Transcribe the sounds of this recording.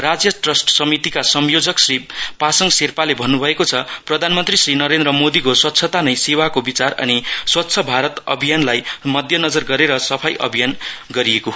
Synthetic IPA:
rad͡zjʌʈrʌsʈsʌmit̪ikasʌmjod͡zʌksripasʌŋserpalebʱʌnːubʱʌekot͡sʰʌprʌd̪ʱanmʌnt̪risrinʌɾend̪rʌmod̪ikoswʌt̪ːsʰʌt̪anʌjsewakobit͡sarʌ̰niswʌt̪ːsʰʌbʱaɾʌt̪ʌ̰bʱijanlajmʌd̪ʱjʌnʌd͡zʌrɡʌɾeɾʌsʌpʰajʔʌ̰bʱijanɡʌɾieko

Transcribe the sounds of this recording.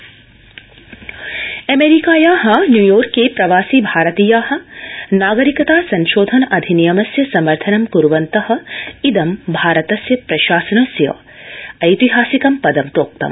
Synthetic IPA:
ɐmeːɾikaːjaːɦɐnjuːjoːɾkːepɾɐʋaːsiːbʱaːɾɐt̪iːjaːɦɐ̆naːɡɐɾikɐt̪aːsɐnʃoːd̪ʱɐnɐʔɐd̪ʱinijɐmɐsjɐsɐmɐɾt̪ʰɐnɐmkuɾʋɐnt̪ɐhɐ̆id̪ɐmbʱaːɾɐt̪ɐsjɐpɾɐʃaːsɐnɐsjɐ̰ | ɐjt̪iɦaːsikɐmpɐd̪ɐmt̪oːk̚t̪ɐ̰m

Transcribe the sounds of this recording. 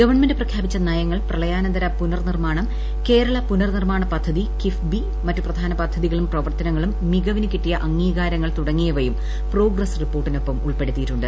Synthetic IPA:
ɡɐʋɐrɳmendɖɨprɐkʰjaːbit͡ɕːɐnɐjɐŋːɐɭprɐɭɐjaːnɐnd̪ɐɾɐpunɐrnirmaːɳɐm | ke̞ːɾɐɭɐpunɐrnirmaːɳɐpɐd̪ʱːɐðikifbi | mɐtːuprɐd̪ʱaːnɐpɐd̪ʱːɐðiɣɐɭumprɐʋɐrt̪ɐnɐŋːɐɭumːiɣɐʋinɨkiʈːijɐʔɐŋːiːɣaːɾɐŋːɐɭt̪uɽɐŋːijɐʋɐjum | pro̞ːɡrɐsripːo̞ːrʈːino̞pːɐmuɭpe̞ɽut̪ːijitːuɳɖɨ

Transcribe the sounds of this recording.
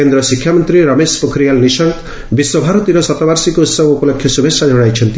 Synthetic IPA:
end̪ɾɔsikʰːjamɔnt̪ɾiɾɔmespɔkʰɾijalniʃɔŋk | biswɔbʱaɾɔt̪iɾɔsɔt̪ɔbaɾsikɔut̪sɔbɔupɔlɔkʰːjɔsubʱesad͡ʒɔɽajt͡ʃʰɔnt̪i

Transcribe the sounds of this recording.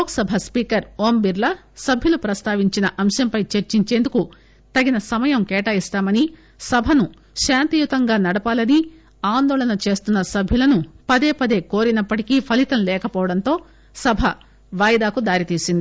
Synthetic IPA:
oːksɐbʱɐspiːkɐɾoːmbiɾlɐsɐbʱjulupɾɐst̪aːʋiɲt͡ʃinɐʔɐmʃɐmpɐjt͡ʃeɾt͡ʃiɲt͡ʃe̞ːnd̪uku | t̪ɐɡinɐsɐmɐjɐmkɛːʈaːist̪aːmɐni | sɐbʱɐnu | ʃaːnt̪ijut̪ɐŋɡaːnɐɽɐpaːlɐni | aːnd̪ɔːlɐnɐt͡ʃe̞ːst̪unːɐsɐbʱjulɐnupɐd̪eːpɐd̪e̞ːkoːɾinɐpːɐʈikipʰɐlit̪ɐmlɛːkɐpɔːʋɐɽɐnt̪o̞ː | sɐbʱɐ | ʋaːjd̪aːkud̪aːɾit̪iːsind̪i

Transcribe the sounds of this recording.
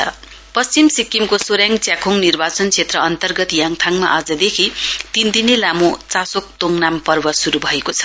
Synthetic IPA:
ʌ | pʌst͡simsikːimkosoɾjaŋɡt͡sjakʰoŋnirbat͡sʌnt͡sʰet̪rʌʌnt̪ʌrɡʌt̪jaŋt̪ʰaŋma̰ʔad͡zʌd̪ekʰit̪ind̪inelamot͡sasok̚t̪oŋnampʌrbʌsuɾubʱʌekot͡sʰʌ̥

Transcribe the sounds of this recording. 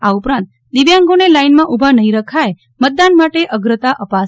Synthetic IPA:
aupɾãnt̪̚ | d̪iʋjãŋɡonelainmãʔubʱanəɦĩɾəkʰaj | mət̪̚d̪anmaʈeʔəɡɾət̪aʔəpa

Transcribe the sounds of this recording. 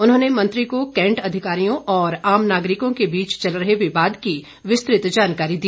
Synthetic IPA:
ʊnɦõːnemɐ̃nt̪ɾikokɛ̃ːɳʈɐd̪ʱɪkaːɾijõʔɔːɾaːmnaːɡɾɪkõkebiːt͡ʃt͡ʃɐlɾɐɦewebaːd̪ki | ʋɪst̪ɾɪt̪d͡ʒaːnkaːɾid̪iː

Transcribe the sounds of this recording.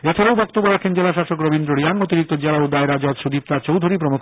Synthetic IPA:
et͡ʃʰaɾaobɔk̚t̪obːoɾakʰend͡ʑelaʃaʃokɾobind̪ɾoɾiaŋot̪iɾik̚t̪od͡ʑelaod̪aeɾad͡ʑɔd̪ʃud̪ip̚t̪at͡ɕowd̪ʱoɾipɾomukʰ

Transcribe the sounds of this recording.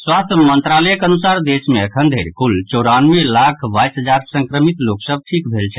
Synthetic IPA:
swast̪ʰmənt̪ɾaləjəkənusaɾd̪esmeəkʰənd̪ʱeɾkult͡ʃɔɾanmelakʰbajsɦəd͡ʒaɾsəŋkɾəmit̪loksəb̚ʈʰikbʱelt͡ʃʰɛ

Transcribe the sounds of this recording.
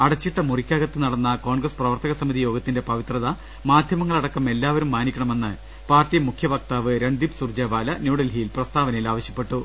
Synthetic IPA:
ɐɽɐt͡ɕːiʈːɐmurikʲːaːɣɐt̪ːɨnɐɽɐnːɐko̞ːɳɡrɐsprɐʋɐrt̪ɐɣɐsɐmiðijo̞ːɡɐt̪ːinde̞pɐʋit̪rɐðɐ | maːd̪ʱjɐmɐŋːɐɭɐɽɐkːɐme̞lːaːʋɐɾumːaːnikʲːɐɳɐme̞nːɨ | paːrtːijɐmukʰjɐʋɐk̚t̪aːʋɨɾeɳd̪ipsurd͡ʑɐːbaːlɐnjuːɽɐlɦijilprɐst̪aːʋɐnɐjilaːʋɐɕjɐpːe̞ʈːu

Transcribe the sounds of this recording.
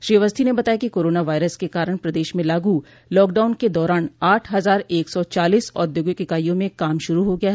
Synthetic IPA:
ʃɾiːʋəst̪ʰinebɐt̪aːjakikoːɾoːnaʋaːɪɾəskekaːɾəɽ̃pɾɐd̪eːʃmẽlaːɡu | lɔːkɖaːʊnked̪ɔːɾaːnaːʈʰɦɐzaːɾeːksɔt͡ʃaːliːsɔ̰ːd̪joːɡɪkɪkaːijõmẽkaːmʃʊɾuɦoɡɐjaɦɛ

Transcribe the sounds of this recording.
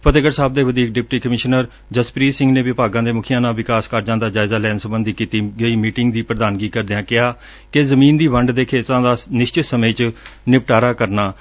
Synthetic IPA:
pət̪ɪɡəɾsaːb̚d̪eːʋəd̪iːk̚ɖɪp̚ʈiːkəmɪʃnəɾ | d͡ʒəspɾiːsɪ̃ŋɡneːʋɪpaːɡãːd̪eːmʊkʰɪjãːnãːʋɪkaːskəɾd͡ʒãːd̪aːd͡ʒaːɪzaːlɛːnsəmbənd̪iːkiːt̪iːɡəiːmiːʈɪŋɡd̪iːpɾəd̪aːnɡiːkəɾd̪ɪjãːkɪɦaː | kezəmiːnd̪iːʋəɳɖd̪eːkʰeːt̪ãːd̪aːnɪʃt͡ʃɪt̪səmeːt͡ʃnɪpʈaːɾaːkəɾnaː

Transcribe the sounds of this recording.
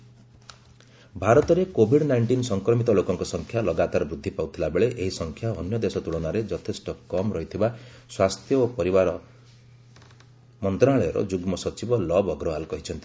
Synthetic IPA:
bʱaɾɔt̪ɔɾekobʱiɖnajɳʈinsɔŋkɾɔmit̪ɔlokɔŋkɔsɔŋkʰjalɔɡat̪aɾɔbɾud̪ʱːipawt̪ʰilabeɭeʔeɦisɔŋkʰjaɔnjɔd̪esɔt̪uɭɔnaɾed͡ʒɔt̪ʰesʈɔkɔmɾɔɦit̪ʰiba | swast̪ʰjɔopɔɾibaɾɔ | mɔnt̪ɾaɭɔɔɾɔ̰d͡ʒuɡmɔsɔt͡ʃibɔlɔbɔɡɾɔɦalkɔɦit͡ʃʰɔnt̪i̥

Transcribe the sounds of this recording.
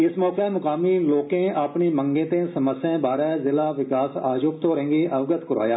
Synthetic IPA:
ɪsmɔːkeɛmʊkaːmiloːkẽapnimə̃ŋɡẽːt̪ẽsəməsjãbaːɾɛːzɪlaːʋɪkaːsa̰ːd͡ʒʊːp̚t̪oɾɦẽːŋɡiʔɐʋɡət̪kʊɾa̰ːjaː

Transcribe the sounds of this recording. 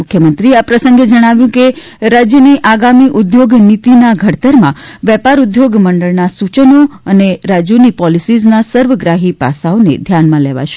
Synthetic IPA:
mʊkʰjəmənt̪ɾiapɾəsə̃ŋɡed͡ʒəɽ̃aʋjũke | ɾad͡ʒjəniʔaɡamiʔʊd̪joɡnit̪inaɡʱəɽt̪əɾmãʋɛpaɾud̪joɡməɳɖəɭnasut͡ʃənoəneɾad͡ʒjonipɔlisid͡ʒnasəɾʋəɡɾaɦipa̰saonḛd̪ʱjanmãleʋa̰ʃe̥

